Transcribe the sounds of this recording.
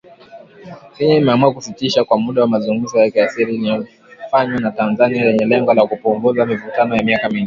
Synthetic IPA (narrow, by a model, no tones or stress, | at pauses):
miaimɛamuakusitiʃakwamuɗawamazuŋɡum̩zɔjakiasiɾiliɔ | faɲwanatanzanialɛɲɛlɛŋɡɔlakupuŋɡuzamivutanɔjamiakaminɛ